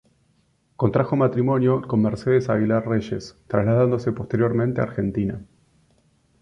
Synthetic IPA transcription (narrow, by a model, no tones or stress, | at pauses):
ko̞nt̪ɾaxomat̪ɾimo̞njoko̞nmeɾseðesaɣilarre̞ʃe̞st̪ɾaslað̞and̪o̞se̞post̪e̞ɾjo̞ɾmẽnt̪ea̰ɾxe̞nt̪ina